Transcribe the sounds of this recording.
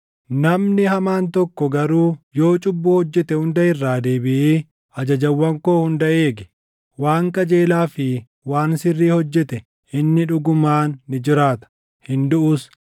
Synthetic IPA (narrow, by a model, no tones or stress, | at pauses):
nɐmnɪhɐmaːnt̪ɔkːɔɡɐɾuːjo̞ːt͡ʃʼʊbːʊhɔd͡ʒːɛt̪ɛhʊnd̪ɐʔɪrːaːd̪eːbɪʔeː | ʔɐd͡ʒɐd͡ʒɐwːɐŋko̞ːhʊnd̪ɐʔeːɡɛ̥ | waːŋkʼɐd͡ʒe̞ːlaːfɪ | waːnsɪrːiːhɔd͡ʒːɛt̪ɛ | ʔɪnːɪᶑʊɡʊmaːnːɪd͡ʒɪɾaːt̪ɐ̥ | hɪnd̪ʊʔʊs